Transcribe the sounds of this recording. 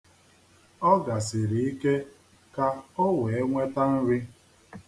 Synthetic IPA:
ɔ˦ɡa˨sɪ˨ɾi˨i˦ke˦ | ka˦o˦we˨e˦ŋʷe˦ta˦n̩˦ɾɪ˦

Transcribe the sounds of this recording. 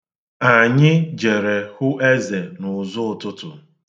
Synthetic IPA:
a˨ɲɪ˦d͡ʒe˨ɾe˨hʊ˦ʔe˦ze˨nʊ˨zʊ˦˨tʊ˦tʊ̰˨

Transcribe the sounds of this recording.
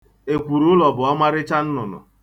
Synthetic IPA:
e˨kʷu˨ɾʊ˦lɔ˨bʊ˨a˦ma˦ɾɪ˦t͡ʃa˦n̩˦nʊ˨nʊ̰˨

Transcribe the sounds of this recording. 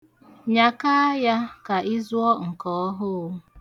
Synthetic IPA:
ɲa˨ka˦ja˦ka˨ʔi˦zʊ˦ɔ˦ŋ̩˨kɔ˨˦ɔ˦ɦʊ˦˨˦

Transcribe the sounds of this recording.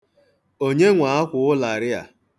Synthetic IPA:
o˦ɲe˦ŋʷa˨a˦kʷʊ˨ʊ˦la˨ɾɪ˦a̰˨

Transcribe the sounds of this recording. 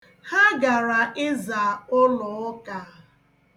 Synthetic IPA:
ha˦ɡa˨ɾa˨ʔɪ˦za˨ʊ˦lɔ˨˦ɔ˦ka˨

